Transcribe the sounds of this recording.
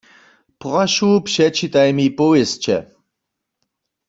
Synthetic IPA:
pʁaʃupʃɛt͡ʃʰit̪ʼajmipʼoest͡ʃʰɛ̰

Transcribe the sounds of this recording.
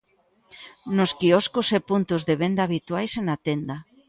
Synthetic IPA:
noskiɔskosepunt̪ozðeβend̪aːβ̞it̪wajsenat̪end̪a

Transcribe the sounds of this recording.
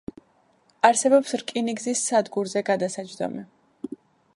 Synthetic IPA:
aɾsɛbɔpsɾkʼiniɡzisːad̪ɡuɾzɛɡad̪asad͡ʒd̪ɔ̰mɛ

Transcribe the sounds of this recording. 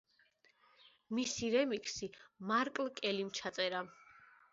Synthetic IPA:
misiɾɛmikʼsimaɾkʼlˠkʼɛlimt͡ʃʰat̪sʼɛɾa

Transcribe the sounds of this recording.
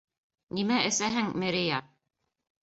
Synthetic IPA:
nimæʔɘ̆sæɦɘŋmɘ̆ɾɘjɑ

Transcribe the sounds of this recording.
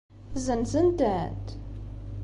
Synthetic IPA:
zənzənd̪æt̪

